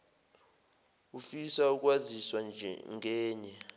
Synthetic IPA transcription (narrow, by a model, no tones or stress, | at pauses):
ufisauk̬waziswanʱŋɛːɲɛ